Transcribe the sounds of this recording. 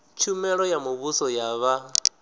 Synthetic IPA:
t͡ʃʰumɛɺɔjamuβusɔjaβa

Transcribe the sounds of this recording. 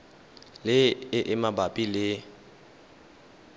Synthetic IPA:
lɪɪʔɪmabapʼilɪ

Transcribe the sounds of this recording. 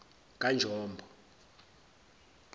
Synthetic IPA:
kʼand͡ʒʱɔːmbʱɔ

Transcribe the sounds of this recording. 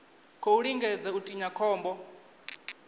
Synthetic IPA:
kʰɔuɺiŋɡɛd͡zɛutʼiɲakʰɔːmbɔ

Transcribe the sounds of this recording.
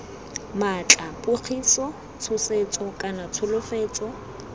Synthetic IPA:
mat͡ɬʼapʼʊk͡xʰisɔ | t͡sʰʊset͡sʼɔkʼanat͡sʰʊlʊfeːt͡sʼɔ

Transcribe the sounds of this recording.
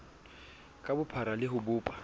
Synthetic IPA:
kʼabʊpʰaɾalɪɦʊbʊːpʼḁ

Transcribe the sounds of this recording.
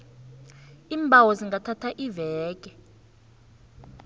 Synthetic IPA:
iːmbʱawɔziŋɡʱatʰatʰaʔivɛːk̬ʼɛ

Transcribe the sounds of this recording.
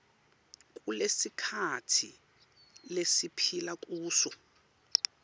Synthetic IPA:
k̬ʼulesikʰatʰḭ | lesipʰilak̬ʼuːsɔ

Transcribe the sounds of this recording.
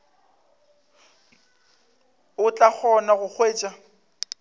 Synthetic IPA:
ʊt͡ɬʼak͡xʰɔnaɣʊk͡xʰweːt͡ʃʼa

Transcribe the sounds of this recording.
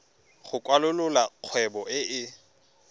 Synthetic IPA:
χʊkʼwalʊlʊlaq͡χʰwɛbɔɪʔɪ

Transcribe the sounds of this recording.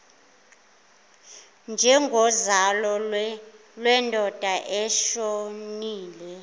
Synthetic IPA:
nd͡ʒʱɛŋɡʱɔzalɔ | lwɛndʱɔd̥ʱaʔɛʃoniːlɛ

